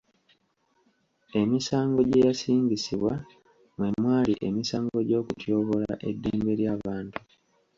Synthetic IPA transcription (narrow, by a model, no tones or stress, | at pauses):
e̞misaːŋɡo̞ɟe̞jasiːɲɟisiβwa | mwe̞mwaːliʔe̞misaːŋɡo̞ɟo̞ːkutjo̞ːβo̞laʔe̞dːeːmbe̞ɾjaːβaːntu